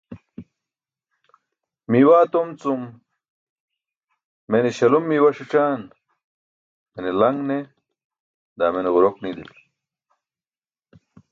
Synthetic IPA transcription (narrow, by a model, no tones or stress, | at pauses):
miwaːt̪omt͡sum | meneɕɐlumːiwɐʂiʈ͡ʂaːn | menelɐŋɡne | d̪aːmeneɣuɾoknid̪ḭl